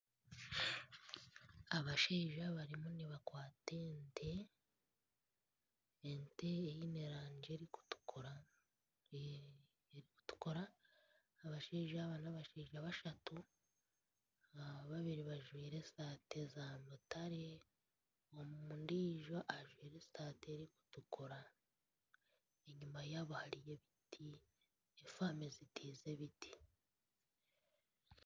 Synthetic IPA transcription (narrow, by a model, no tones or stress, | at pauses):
aβaʃeːʒaβaɾimuniβakwaːtentʰe | nte̞ːjineɾaːɲd͡ʒeɾiku̥tu̥koɾa | eɾiku̥tu̥koɾaː | βaʃeːʒaβanaβaʃeːʒaβaʃatu | aβaβiɾiβaʒwiːɾe̞staːte̞zamotaɾe̞ | omuundiːʒo̞ʔaʒwiːɾe̞saːteɾiku̥tukʰoɾa | eɲumajaβohaɾije̞βitʰi | efaːmezitʰiːze̞βiti̥